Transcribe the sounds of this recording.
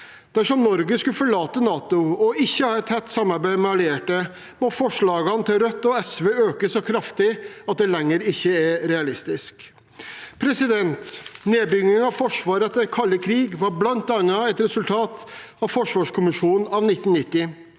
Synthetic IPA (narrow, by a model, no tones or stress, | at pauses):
d̪̥æʂɔmnɔɾɡəskʉfɔɭɑːt̪ənɑːt̪ʊɔɪçːəhɑːɛt̪hɛt̪ːsɑmːɑɾbæɪmɛɑlɪeːʈə | mɔfɔʂɭɑːɡɑnət̪ʰɪlɾœt̪ːɔɛsʋeːøːkəsɔkʰɾɑft̪ɪɑt̪̚d̪ɛlɛŋːəɾɪçːəæɾɾɛɑlɪst̪ɪsk | pʰɾɛsɪd̪ɛnt̪neːbʏŋːɪŋɑʋfɔʂʋɑːɾət̪ʰɛkʰɑlːəkʰɾiːɡʋɑɾblɑnt̪̚ːɑnɑɛt̪ɾɛsʉlt̪ʰɑːt̪ɑʋfɔʂʋɑːʂkʰʊmɪʂuːnn̩ɑʋnɪt̪ːn̩nɪt̪ːɪ